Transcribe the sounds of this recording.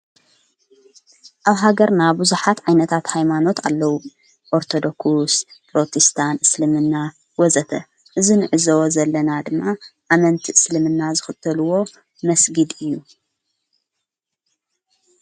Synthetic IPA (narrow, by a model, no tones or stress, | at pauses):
ʔaβɦaɡɐɾnabuzuħat̪ʕajnɐt̪ʰat̪hajmano̞t̪ʰalːɐwu | ʔoɾt̪ʰo̞d̪okuspɾo̞t̪ʰist̪ʰanʔɨslɨmɨnːa | wɔzɐt̪ʰɐ | ʔɨzinɨʕɨzɐwozɐlːɐnad̪ɨmːaʔamɐnt̪ʰiʔɨslɨmɨnːazɨxɨt̪ʰːɐluwo̞ | mɐsɡɨd̪ɨjːu